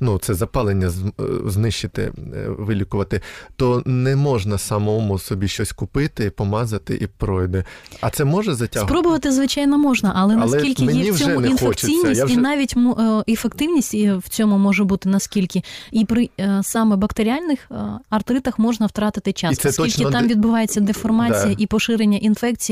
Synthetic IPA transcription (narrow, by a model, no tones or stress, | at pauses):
nut̪sɛzɐpɑlˠenʲːɐzznɪʃt͡ʃɪt̪ɪ̰ʋɪlʲikʊʋɐt̪ɪt̪ɔnɛmɔʐnɐsɐmɔmʊsɔbʲiʃt͡ʃɔsʲkʊpɪt̪ɪipɔmɑzɐt̪ɪ̰ʔipɾɔjd̪ɛɐ̰t̪sɛmɔʒɛzɐtʲasɦpɾɔbʊʋɐt̪ɪzʋɪt͡ʃɑjnɔmɔʒnɐʔɐlˠɛnɐlˠɛkilʲkʲɪmjɛisɔɛʊninfekt͡ʃt͡sʲijʲnʲijinɑʋʲitʲmefekt̪ɪwnʲisʲtʲw̥t͡sʲɔmʊmɔʒɛbut̪ɪnɐskʲilʲkʲɪipɾɪsɑmɛbɐkt̪eɾʲialʲnɪxɐrt̪ɾɪt̪ɐxmɔʒnɐwt̪ɾɑt̪ɪt̪ɪt͡ʃɑsɛst̪ilt͡ʃknɪɑmʋʲid̪bʊʋɑjet͡sʲːɐd̪efɔrmɑt͡sʲijɐʔipɔʃɪɾenʲːɐʔinfɛk̚t͡sʲiji